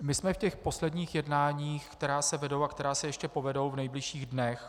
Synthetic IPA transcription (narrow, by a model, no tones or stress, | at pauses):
mɪsmɛfcɛxpo̞slɛdɲiːxjɛdnaːɲiːxkt̪ɛɾaːsɛvɛdowakt̪ɛɾaːsɛjɛʃcɛpo̞vɛdo̞wvnɛjblɪʃiːɣdnɛx